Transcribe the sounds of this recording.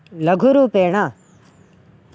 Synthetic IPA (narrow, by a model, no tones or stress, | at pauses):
ləɡʱʊɾuːpeːɳaː